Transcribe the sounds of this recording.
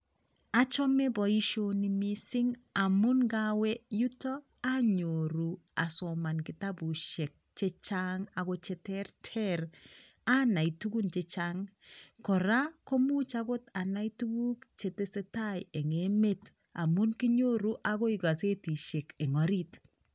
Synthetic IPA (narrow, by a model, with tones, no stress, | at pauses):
a˦t͡ʃɔ˦me˦bɔ˨i˦ʃo˦ni˨mi˦sɪ˦ŋa˨mu˦nɡawɛ˦ju˦tɔ˦ | a˦ɲo˨ɾu˨ | a̰˨sɔ˨ma˨nki˨ta˦bu˨ʃe˨k̚t͡ʃe˦t͡ʃaŋa˨ko˦t͡ʃe˦tɛrtʰɛɾ | a˦na˨itu˦ɡu˦nt͡ʃe˦t͡ʃaŋkɔ˨ɾa˦ko˦mu˦t͡ʃa˦ko˦ta˨na˦itu˦ɡu˦kt͡ʃe˨te˦se˦ta˦je˨ŋe˦me˦t | a̰˨mu˦nki˦ɲo˦ɾu˦ʔa˦ko˦i˨ɡa˨se˦ti˨ʃe˨ke˨ŋɔ˨ɾi˦t